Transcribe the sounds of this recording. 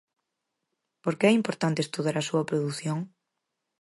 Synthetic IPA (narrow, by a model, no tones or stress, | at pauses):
poɾkeɛimpoɾt̪ant̪est̪uðaɾɐsuɐpɾoðuθjoŋ